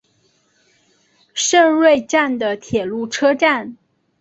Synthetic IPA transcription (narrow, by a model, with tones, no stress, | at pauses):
ʂɤ˥˧ŋɻwe˥˧ɪʈ͡ʂa˥˩nd̪ə˩t̪ʰjɛ˨˩lu˥˩ʈ͡ʂʰɤ˥ʈ͡ʂa˥˩n